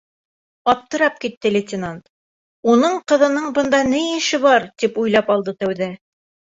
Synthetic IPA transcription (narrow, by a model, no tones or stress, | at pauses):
ɒp̚t̪ɤ̆ɾɑp̚kit̪ːɘlʲet̪ʲɪnant̪ | unɤɴqɤ̆ðɤ̆nɤɴbɤ̆nd̪ɑnɘjɘ̆ʃɘβɑɾt̪ipujlˠɑpɑlˠd̪ɤt̪æwðæ